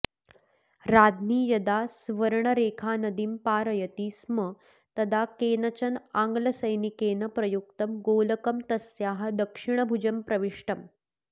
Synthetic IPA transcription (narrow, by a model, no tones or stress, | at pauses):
ɾaːd̪ʱniːjɐd̪asʋəɾɳɐɾeːkʰaːnɐd̪impaːɾɐjɐt̪iːsmə | t̪ɐd̪akeːnɐt͡ɕɐnaŋɡlɐsəjnikeːnɐpɾɐjukt̪ɐmɡoːlɐkɐmt̪ɐsjaːɦɐ̆d̪ɐkʂiɳ̃əbʱud͡ʑɐmpɾɐʋiʂʈɐm